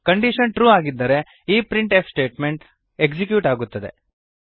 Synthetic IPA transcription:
kɐɳɖiʃɐnʈɾuːaːɡid̪ːɐɾe̞ | iːpɾiɳʈepsʈe̞ːʈme̞ɳʈ | ekd͡ʒik̬juːʈaːɡut̪ːɐd̪e̞̰

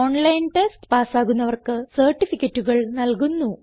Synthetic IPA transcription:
oːɳlɐjnʈesʈpaːsaːɣunːɐʋɐrkɨsɐrʈːifikʲːɐtːuɣɐɭnɐlkunːu

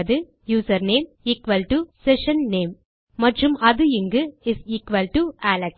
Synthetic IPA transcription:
ðɯ | juːsɐɾneːm | iːkʋɐlʈusɛʃɐnneːmː | ɐʈrɯmɐðɯɪŋɡɯɪsiːkʋɐlʈuæːlɛk

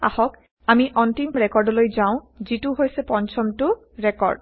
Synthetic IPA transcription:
a̰hɔk | amiʔɔntimɹɛkɔɹdɔlojzaʊ̃ | zitʊɦojsɛpɔnt͡ʃʰɔmtʊ | ɹɛkɔ̰ɹd

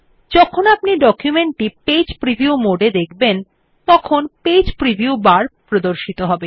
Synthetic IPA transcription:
d͡ʑɔkʰonap̚niɖɔkjumeɳʈʈiped͡ʑpɾibʱiumoɖed̪ekʰben | t̪ɔkʰonped͡ʑpɾibʱiubaɾpɾod̪oɾʃit̪oɦɔbe

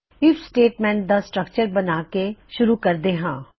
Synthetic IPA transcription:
ɪfʰsʈeːʈmɛ̃ːɳʈ̚d̪asʈɾəkt͡ʃəɾbɐnaːkeʃʊɾukɐɾd̪eːɦãː

